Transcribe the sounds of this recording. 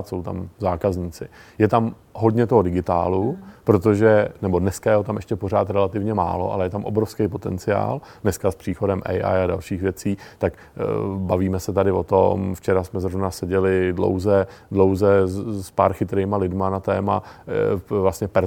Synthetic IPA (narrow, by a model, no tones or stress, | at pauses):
t̪so̞wt̪a̰mzaːkazɲiːt͡sɪjɛt̪am | ɦo̞dɲɛt̪oɦodɪɡɪt̪a̰ːlupɾo̞t̪oʒɛnɛbo̞dnɛskajɛɦot̪amʔɛʃcɛpo̞ɾ̝aːt̪ɾɛlat̪ɪvɲɛma̰ːlo̞̰ʔa̰lɛjɛt̪amʔo̞̰bɾofskɛjpo̞t̪ɛnt͡sɪa̰ːl | dnɛskaspr̥iːxo̞dɛmʔɛ̰jʔa̰jada̰lʃiːxvjɛt͡siːt̪ak | baviːmɛsɛt̪adɪvo̞t̪omft͡ʃɛɾasmɛzɾo̞vnasɛɟɛlɪdlo̰wzɛ | dlo̞wzɛspaɾxɪt̪ɾeːmalɪdmanat̪ɛːma | vlast̪ɲɛpɛɾ